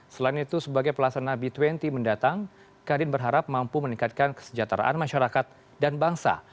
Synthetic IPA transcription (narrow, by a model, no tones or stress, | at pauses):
səlainit̪usəbaɡajpəlasanabit̪wɛnt̪iməndat̪aŋ | kadɪnbərɦaɾap̚mampuməniŋkat̪̚kankə̥sə̥d͡ʒat̪ɾa̰ʔa̰nmaʃaɾakat̪̚ | danbaŋsa̰